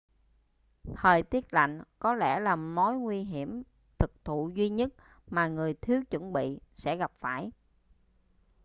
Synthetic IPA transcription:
t̪ʰəː˨˩jt̪i˦˥ət̚la̰˧˨jŋ̟kɔ˨˦lɛ̰˧˩laː˨˩mnɔ˨˦jŋwi˧ɦi˧˩əm | t̪ʰɨ˨˩k̚t̪ʰṵ˧˨zwi˧ɲə˦˥t̚ | maː˨˩ŋɨ˨˩əjt̪ʰi˨˦əwt͡ɕwə˧˩nɓḭ˧˨sɛ̰˧˥ɣa˨˩p̚faː˧˩j

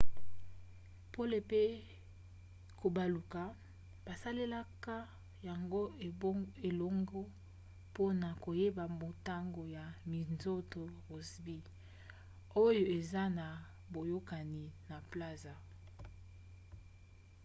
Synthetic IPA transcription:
po˦le˨pe˦ | ko˨ba˨lu˨ka˨ | b̥a˨sa˦le˦la˦ka˦ | ja˨ŋɡo˦ | e˨lo˦ŋɡo˦ | po˦na˨ko˨je˦ba˨mo˨ta˦ŋɡo˨ja˨mi˨nzo˦to˨bo˨si˨bi˦ | o˦jo˦e˨za˦na˨ | bo˨jo˦ka˨ni˨na˨pla˦za˨

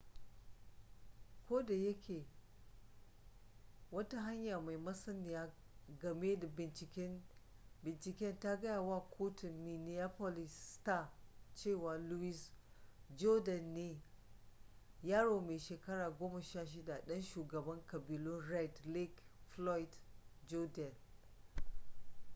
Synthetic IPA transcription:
kʷoː˦da˨jɐ˦kʲʰeː˨ | wɐ˦ta˦ɦa˦ɲja˨ma˨jmɐ˦sɐ˦nɪ˨ja˦ | ɡɐ˨me˦da˨bɪ˨nt͡ʃɪ˨kʲɛ˦nbɪ˨nt͡ʃɪ˨kʲɛ˦nta˦ɡɐ˦jaː˨waː˦˨kʰoː˦tʊ˨mːi˨ni˨a˦po˦lɪ˨staː˦˨t͡ʃeː˦˨wa˨lu˦wi˦s | d͡ʒo˦dɐ˨nːeː˦ | jaː˦ɽoː˨meː˨ʃeː˨kɐ˦ɽaː˨ɡʷoː˦ma˨ʃaː˦˨ʃ̬ɪ˦da˨ɗɐ˦nʃuː˨ɡɐ˨bɐ˦ŋkɐ˨biː˨lʊ˦nɾɛ˦˨dli˦kflɔ˦jdd͡ʒo˦dɛ˨n

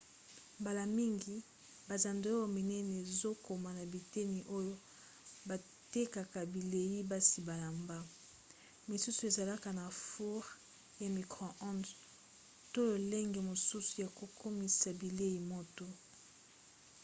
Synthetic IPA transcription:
mba˨la˨mi˦ŋɡi˨ | ba˨za˨nde˦o˦jo˦mi˨nɛ˦ne˨zo˦ko˨ma˨na˨bi˨te˦ni˨ʔo˦jo˦ | ba˨ | te˦ka˨ka˨bi˨le˨ji˦ba˦si˨ba˨la˨mba˦ | mi˨su˦su˨e˨za˨la˦ka˨na˨fu˦ʁ | ja˨mi˨kʁɔ̃˨ʔɔ̃˦nd | to˦jo˨le˦ŋɡe˨mo˨su˦su˨ja˨ko˨ko˦mi˨sa˨bi˨le˦ji˨mo˦to˦

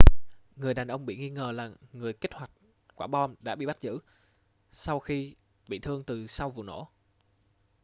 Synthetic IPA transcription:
ŋɨ˨˩əjɗaː˨˩nʔə˧wŋ͡mɓḭ˧˨ŋi˧ŋəː˨˩laː˨˩ŋɨ˨˩əjke˦˥k̚hwa˨˩jk̟̚ | kwaː˧˩ɓɔ˧nɗa̰ː˧˥ɓḭ˧˨ɓa˦˥t̚zɨ̰˧˥ | sa˧wxi˧ | ɓḭ˧˨t̪ʰɨ˧əŋt̪ɨ˨˩sa˧wvṵ˧˨no̰˧˥˦

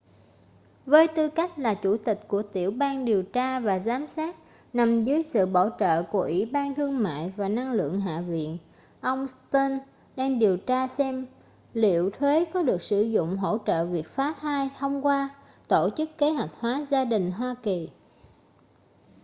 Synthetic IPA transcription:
vəː˨˦jt̪ɨ˧ka˦˥jk̟̚laː˨˩t͡ɕu˧˩t̪ï˨˩k̟̚ku˧˩ət̪i˧˩əwɓaː˧nɗi˨˩əwt͡ɕaː˧vaː˨˩zaː˨˦msaː˦˥t̚ | na˨˩mzəː˨˦jsɨ̰˧˨ɓa̰ː˧˩wt͡ɕə̰ː˧˨ku˧˩əʔwi˧˩ɓaː˧nt̪ʰɨ˧əŋma̰ː˧˨jvaː˨˩na˧ŋlɨ̰˧˨əŋɦa̰ː˧˨vḭ˧˨ən | ʔə˧wŋ͡mst̪əː˧n | ɗɛ˧nɗi˨˩əwt͡ɕaː˧sɛ˧m | lḭ˧˨əwt̪ʰwe˨˦kɔ˨˦ɗɨ˨˩ək̚sɨ˧˩zʊ̰˧˨ŋ͡mɦo̰˧˥t͡ɕə̰ː˧˨vi˨˩ək̚faː˨˦˥t̪ʰaː˧jt̪ʰə˧wŋ͡mkwaː˧ | t̪o˧˨t͡ɕɨ˦˥kːe˨˦ɦwa˨˩jk̟̚hwaː˨˦zaː˧ɗï˨˩ŋ̟ɦwaː˧ki˨˩

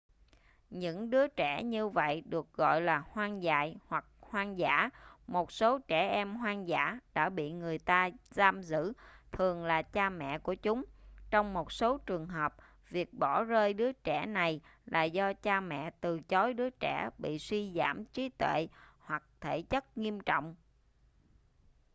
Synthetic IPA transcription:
ɲɨ̰˧˥ŋɗɨ˨˦ət͡ɕɛ˧˩ɲɨ˧və̰˧˨jɗɨ˨˩ək̚ɣɔ̰˧˨jlaː˨˩hwaː˧nza̰ː˧˨jhwa˨˩k̚hwaː˧nza̰ː˧˩˥mo˨˩t̚so˨˦t͡ɕɛ˧˩ʔɛ˧mɦwaː˧nza̰ː˧˩˥ɗa̰ː˧˥ɓḭ˧˨ŋɨ˨˩əjt̪aː˧zaː˧mzɨ̰˧˥t̪ʰɨ˨˩əŋlaː˨˩t͡ɕaː˧mɛ̰˧˨ku˧˩ət͡ɕʊ˨˦ŋ͡mt͡ɕɔ˧wŋ͡mmo˨˩t̚so˨˦t͡ɕɨ˨˩əŋɦəː˨˩p̚ | vi˨˩ək̚ɓɔ˧˩zəː˧jɗɨ˨˦ət͡ɕɛ˧˩na˨˩jlaː˨˩zɔ˧t͡ɕaː˧mɛ̰˧˨t̪ɨ˨˩t͡ɕɔ˨˦jɗɨ˨˦ət͡ɕɛ˧˩ɓḭ˧˨swi˧za̰ː˧˩mt͡ɕi˨˦t̪wḛ˧˨hwa˨˩k̚t̪ʰe˧˩t͡ɕə˦˥t̚ŋi˧əmt͡ɕɔ̰˧˨wŋ͡m

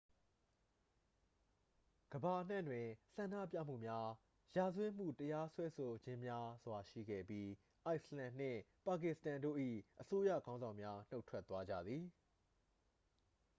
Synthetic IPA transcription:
ɡ̥əba˨ʔən̥ɛ̃˦˨ndwɪ̃˨sã˨ndä̰˦˨pja̰˦˨m̥ṵ˦˨mja˦ | ja˨zwɪ̃˦˨m̥ṵ˦˨təja˦swɛ˦sʰo˨d͡ʑɪ̃˦mja˦zwa˨ʃḭ˦˨ɡɛ̰˦˨pji˦ | ʔa˦ɪʔslã˨n̥ɪ̰̃˦˨pa˨k̬ɪ˨stã˨ndo̰˦˨ʔḭ˦˨ʔəso˦jä̰˦˨ɡã˦ʊ̃nzã˨ʊ̃mja˦n̥o˦ʊʔtʰwɛ˦t̪wa˦d͡ʑä̰˦˨d̪ði˨

